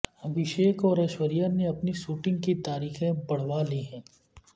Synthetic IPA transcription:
ɐbɪʃeːkɔːɾeːʃʋəɾijəɾneɐpnisuːʈɪ̃ŋɡkit̪aːɾiːxẽbɐɽ̤ʋaliɦɛ̃ː

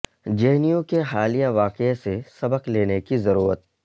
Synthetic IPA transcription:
d͡ʒɛɦnijõkeɦaːlijaʋaːqesesɐbəqleːnekizɐɾuːɾət̪̚

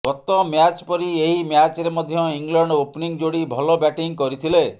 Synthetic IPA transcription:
ɡɔt̪ɔmjat͡ʃpɔɾieɦimjat͡ʃɾemɔd̪ʱjɔiŋlɔɳɖopniŋd͡ʒoɽibʱɔlɔbjaʈiŋkɔɾit̪ʰile

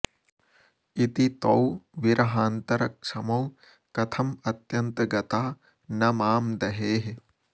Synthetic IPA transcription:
it̪it̪ɐwʋiɾɐɦaːnt̪ɐɾɐkʃɐmɐw | kɐt̪ʰɐmɐt̪jɐnt̪ɐɡɐt̪aː | nɐmaːmd̪ɐɦeːɦe

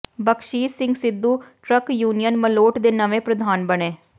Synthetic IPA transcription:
bəkʃiːsɪ̃ŋɡsɪd̪ːuːʈɾəkjuːnijənməloːʈd̪eːnəʋẽːpɾəd̪ʱaːnbəɳẽː

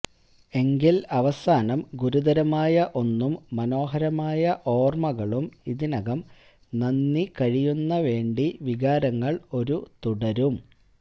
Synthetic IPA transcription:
e̞ŋɡilɐʋɐsaːnɐmɡuɾud̪ɐɾɐmaːjɐʔo̞nːumːɐno̞ːɦɐɾɐmaːjɐʔo̞ːrmɐɣɐɭumiðinɐɣɐm | nɐnːikɐɻijunːɐʋe̞ːɳɖiʋiɣaːɾɐŋːɐɭo̞ɾut̪uɽɐɾum

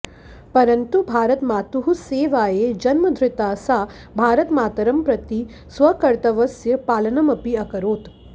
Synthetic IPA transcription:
pɐɾɐnt̪ubʱaːɾɐt̪maːt̪uɦuseːʋaːjed͡ʒɐnmɐd̪ʱɾɪt̪aːsaː | bʱaːɾɐt̪maːt̪ɐɾɐmpɾɐt̪i | sʋɐkɐɾt̪ɐʋɐsjɐpaːlɐnɐmɐpiɐkɐɾoːt̪

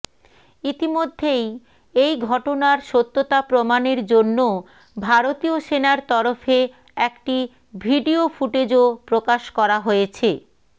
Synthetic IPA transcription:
it̪imod̪ʱːej | ejɡʱɔʈonaɾʃot̪ːot̪apɾomaneɾd͡ʑonːo | bʱaɾot̪ioʃenaɾt̪ɔɾofe | ɛkʈi | bʱiɖiofuʈed͡ʑopɾokaʃkɔɾaɦojet͡ɕʰe

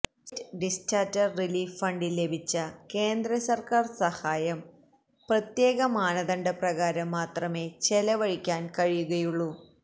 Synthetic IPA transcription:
stɖistaːtɐriliːffɐɳɖilːe̞bʱit͡ɕːɐke̞ːnd̪ɾɐsɐrkaːrsɐhaːjɐm | prɐt̪je̞ːɣɐmaːɳɐðɐɳɖɐprɐɣaːɾɐmːaːt̪rɐme̞ːt͡ɕelɐʋɐɻikʲːaːnkɐɻijuɣɐjuɭːu

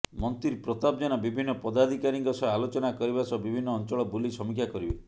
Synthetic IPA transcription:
mɔnt̪ɾiɾpɾɔt̪ab̚d͡ʒɔnabibʱinːɔpɔd̪ad̪ʱikaɾiŋkɔsɔalot͡ʃɔnakɔɾibasɔbibʱinːɔːnt͡ʃɔɭɔbulisɔmikʰjakɔɾibe

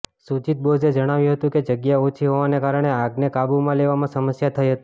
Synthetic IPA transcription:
sut͡ʃit̪̚bod͡ʒed͡ʒəɽ̃aʋjũɦət̪ũked͡ʒəɡjaot͡ʃʰiɦoʋanekaɾəɳ̃eaɡnekabumãleʋamãsəməsjat̪ʰəiɦət̪i̥

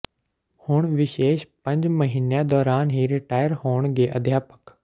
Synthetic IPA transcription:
hʊɳ̃ʋɪʃeːʃpɐ̃ɲd͡ʑməɦiːnjad̪ɔːɾaːnɦiːɾɪʈaːɪjəɾɦoːɳ̃d͡ʑeːʔɐd̪ʱjaːpə̥k

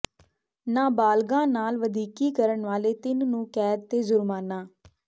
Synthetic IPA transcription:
nãːbaːlɡãːnaːlʋəd̪iːkiːkəɾəɳʋaːleːt̪ɪnnũːkɛːd̪̚t̪eːzʊɾmaːnaː

